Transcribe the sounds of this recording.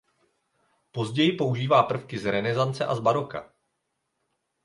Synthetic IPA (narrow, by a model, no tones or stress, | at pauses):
po̞zɟɛjɪpo̞uʒiːvaːpr̩fkɪzɾɛnɛzant͡sɛ̰ʔazbaɾo̞ka̰